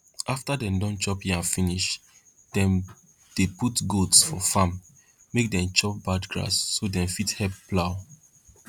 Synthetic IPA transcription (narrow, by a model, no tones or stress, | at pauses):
aftadɛ̃mdɔ̃nt͡ʃɔphiãnfiniʃ | d̥ɛ̃m | d̥eputɡotsfɔfãmː | ek̚dɛ̃mt͡ʃɔp̚badɡɹa̰sːodɛ̃mfithɛp̚ːlaʊ